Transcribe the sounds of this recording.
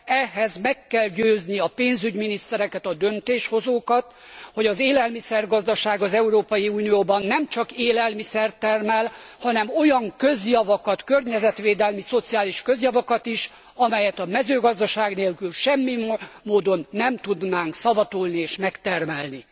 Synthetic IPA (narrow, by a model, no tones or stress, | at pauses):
ɛɦɛzmɛkːɛlɟøːzniɒpeːnzyɟminist̪ɛɾɛkɛt̪ɒd̪ø̞nt̪eːʃho̞zoːkɒt̪ho̞ɟɒzeːlɛlmisɛrɡɒzd̪ɒʃaːɡɒzɛuɾoːpɒjiuːnijoːbɒnːɛmt͡ʃɒkeːlɛlmisɛrt̪ɛrmɛlhɒnɛmo̞jɒŋkø̞zjɒvɒkɒt̪kø̞rɲɛzɛt̪ʋeːd̪ɛlmiso̞t̪sijaːliʃkø̞zjɒvɒkɒt̪iʃ | ɒmɛjɛt̪ɒmɛzøːɡɒzd̪ɒʃaːɡneːlkylʃɛmːimoːd̪o̞nːɛmt̪ud̪naːŋksɒvɒt̪uːlnieːʃmɛkt̪ɛrmɛlni